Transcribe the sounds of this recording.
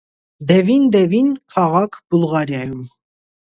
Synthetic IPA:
d̪ɛvind̪ɛvinkʰɑʁɑkʰbulˠʁɑɾjɑjum

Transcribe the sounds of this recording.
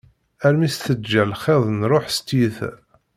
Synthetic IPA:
æɾmisθəd͡ʒːælχeðˤnɾˤoħst̪iθ

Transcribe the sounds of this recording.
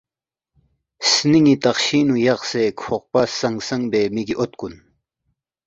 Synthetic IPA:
sniŋit̪aχɕinujɑχsekʰoχ̚pasaŋsaŋbemikiʔot̪̚kun

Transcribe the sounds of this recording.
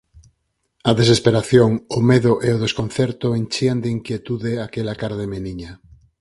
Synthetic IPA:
ɐðesespeɾaθjoŋʊmeðʊʔeoðeskon̟θɛɾt̪ʊent͡ʃiand̪eiŋkjet̪uðeakelakaɾðemeniɲa

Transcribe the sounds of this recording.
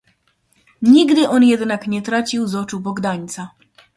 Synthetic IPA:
ɲiɡd̪ɘʔɔnjɛd̪nakɲɛt̪ɾat͡ɕiwzɔt͡ʂubɔɡd̪aɲʲt̪sa

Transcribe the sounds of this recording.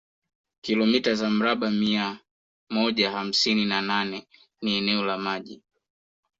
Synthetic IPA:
kilɔmitazam̩ɾaɓamia | mɔʄaham̩sininananɛ | niɛnɛɔlamaʄi

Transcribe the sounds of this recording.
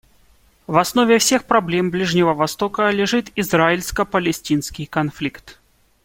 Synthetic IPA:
vɐsnovʲɪfsʲexpɾɐblʲemblʲiʐnʲɪvəvɐst̪okəlʲɪʐɨt̪izraɪlʲskəpəlʲɪsʲtʲinskʲɪjkɐnflʲikt̪

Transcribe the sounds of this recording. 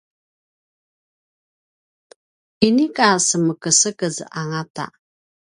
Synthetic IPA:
inikasəməkəsəkəz̰aŋata̰

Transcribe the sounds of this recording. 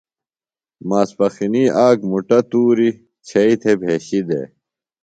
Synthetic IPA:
maːspɐxiniʔaːɡmuʈɐt̪uːɾi | t͡ɕʰɐit̪ʰebʱeːɕid̪ḛː

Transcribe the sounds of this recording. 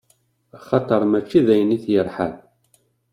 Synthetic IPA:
aχɑt̪ˤəɾˤmæt͡ʃːiðæjənːiθjəɾˤħa̰n

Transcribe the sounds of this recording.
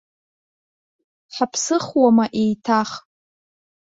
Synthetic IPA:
ħapʰsɨχwamaʔe̞jtʰaχ

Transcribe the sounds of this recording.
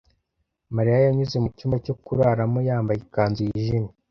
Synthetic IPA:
maɾijajaɲuzemucimacokuɾaɾamojaːmbajikaːnzijiʒini

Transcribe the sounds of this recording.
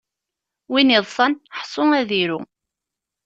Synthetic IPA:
winiðˤsˤɑnħsˤʊæðiɾṵ

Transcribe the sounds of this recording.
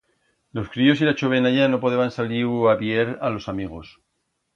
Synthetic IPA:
lo̞skɾio̞s̬ilat͡ʃoβe̞naʝano̞po̞ðeβansaliaβje̞ɾalo̞samiɣ̞o̞s

